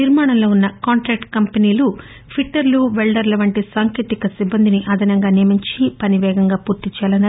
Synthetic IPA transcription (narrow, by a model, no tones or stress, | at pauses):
iɾmaːɳɐmlo̞ːunːɐkaːɳʈɾaːk̚ʈkɐmpeniːlu | pʰiʈːɐɾluʋeɭɖɐɾlɐʋɐɳʈisaːŋkiːt̪ikɐsibːɐnd̪ʱiniʔɐd̪ʱɐnɐŋɡaːneːmiɲt͡ʃipɐniʋɛːɡɐŋɡaːpuːɾt̪iɲt͡ʃːaːlɐnːa